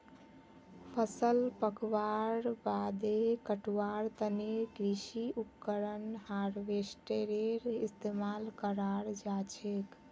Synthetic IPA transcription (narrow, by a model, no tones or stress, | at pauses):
pʰəsəlpəkʋaɾbad̪ekəʈwaɾt̪ənekɾisiupkəɾənhaɾʋesʈeɾeɾist̪emalkəɾaɾd͡ʒat͡ʃʰek